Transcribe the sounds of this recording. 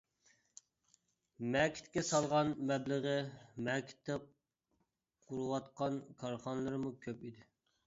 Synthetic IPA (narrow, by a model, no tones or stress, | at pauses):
mɛkʲʰi̥t̪kʲɛsɑlˠʁɑnmɛbləʁəmɛkʲʰi̥t̪ʰːɛ | qʰuɾuwɑt̪qɑnkʰɑɾχɑnɨlˠɨɾɨmukʲʰøpid̪ɪ